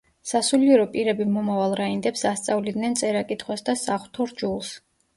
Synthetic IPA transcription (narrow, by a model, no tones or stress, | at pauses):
sasuliɛɾɔpʼiɾɛbimɔmavalˠɾaind̪ɛpsast̪sʼavlid̪nɛnt̪sʼɛɾakʼit̪ʰχwasd̪asaχwt̪ʰɔɾd͡ʒulˠs